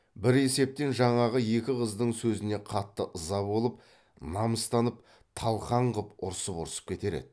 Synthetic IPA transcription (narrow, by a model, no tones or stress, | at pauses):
bɪɾe̞se̞p̚t̪e̞nʒɑɴɑʁəje̞kʲɪʁəzd̪əɴsɵzɪne̞qʰɑt̪ːəʔəzɑbo̞lˠəp̚ | nɑməst̪ɑnəp̚ | t̪ʰɑlˠqɑɴʁəpʊɾsəpʊɾsə̥p̚kʲʰe̞t̪e̞ɾe̞̰d̪ɪ